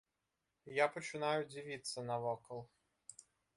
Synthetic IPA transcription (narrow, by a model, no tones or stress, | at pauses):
japɔt͡ʃɨnajʊd͡zʲivʲit̪sːɐnɐvɔkɔlˠ